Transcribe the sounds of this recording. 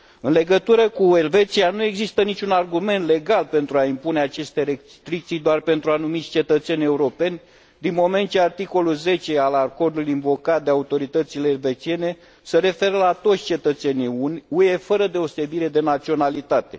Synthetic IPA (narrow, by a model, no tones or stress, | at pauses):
ɨnle̞ɡət̪uɾəkue̞lve̞t̪sianue̞ɡzist̪ənit͡ʃunarɡume̞nt̪le̞ɡalpe̞nt̪ɾuaimpune̞at͡ʃe̞st̪e̞ɾe | t̪ɾikt̪sijd̪oarpe̞nt̪ɾuanumit̪sʲt͡ʃe̞t̪ət̪se̞nʲe̞uɾo̞pe̞nʲ | d̪inmo̞me̞nt̪t͡ʃeart̪iko̞lulze̞t͡ʃe̞alako̞rd̪ulinvo̞kat̪̚d̪e̞aut̪o̞ɾit̪ət̪sile̞ːlve̞t͡ʃie̞ne̞ | seɾe̞fe̞ɾəlat̪o̞t̪sʲt͡ʃe̞t̪ət̪se̞nʲiunʲue̞fəɾəd̪e̞ose̞biɾe̞d̪e̞nat̪sio̞nalit̪at̪e̞̰